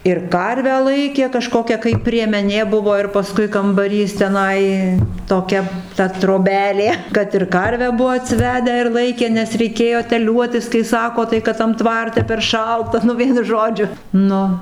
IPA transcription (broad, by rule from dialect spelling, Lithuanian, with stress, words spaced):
ɪr ˈkɐrʲʋʲæː ˈlˠɐɪkʲeː kɐˈʃkoːkʲɛ kɐɪ pʲrʲiɛmʲɛˈnʲeː ˈbʊʋoː ɪr pɐˈskʊɪ kɐmbɐˈrʲiːs tʲɛˈnɐɪ toːˈkʲɛ tɐ troːˈbʲæːlʲeː ˈkɐt ɪr ˈkɐrʲʋʲæː ˈbʊʋoː ɐtʲsʲɪˈʋʲæːdʲæː ɪr ˈlˠɐɪkʲeː nʲɛs rʲɛɪˈkʲeːjoː tʲɛˈlʲuɔtʲɪs kɐɪ ˈsɑːkoː tɐɪ ˈkɐt tɐm ˈtʋɐrʲtʲɛ pʲɛr ˈʃɐlˠtɐ nʊ ˈʋʲiɛnʊ ˈʒoːd͡ʒʲʊ ˈnʊ